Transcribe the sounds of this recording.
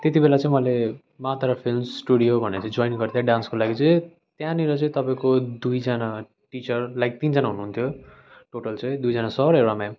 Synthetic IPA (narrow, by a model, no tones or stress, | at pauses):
t̪et̪ibelat͡sʌ̃ĩmʌle | mat̪aɾʌpʰilmsʈuɽijobʱʌneʌt͡sʌ̃ĩd͡zojnɡʌrt̪ʰjaɖãnskolaɡit͡sʌĩ | t̪jãniɾʌt͡sʌĩt̪ʌpaĩkod̪ujd͡zʌna | ʈit͡sʌrlaɡit̪ind͡zanaɦunuɦunt̪ʰjo | ʈoʈʌlt͡sʌ̃ĩd̪ujd͡zʌnasʌɾʌewɽamam